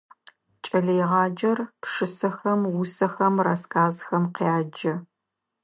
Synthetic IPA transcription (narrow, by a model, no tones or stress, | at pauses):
t͡ʃʼɐɮejʁɑːd͡ʒɐrpʂɨsɐxɐmwʊsɐxɐmraskʰʼaːzxɐmqeaːd͡ʒɐ